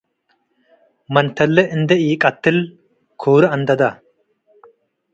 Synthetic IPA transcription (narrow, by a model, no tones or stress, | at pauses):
mɐnt̪ɐlːɛʔɪnd̪ɛʔiːkʼɐt̪ːɪl | kʰoːɾɐɐnd̪ɐd̪ɐ